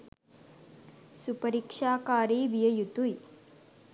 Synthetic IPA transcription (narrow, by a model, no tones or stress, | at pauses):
supɐɾikʂaːkaːɾeːʋijɐjut̪uj